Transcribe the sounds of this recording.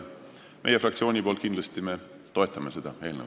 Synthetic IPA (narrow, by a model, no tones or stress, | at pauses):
me̞jefrɑkt̪sio̞ːnʲipo̞lt̪kind̪lɑst̪ime̞ | t̪o̞e̞t̪ːˑɑme̞se̞d̪̥ɑe̞ːlnḛ